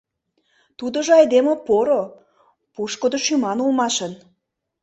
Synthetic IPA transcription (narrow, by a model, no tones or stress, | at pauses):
t̪ud̪ə̆ʒɤ̆ɑjd̪emopoɾo | puʃkod̪oʃymɑnulmɑʃən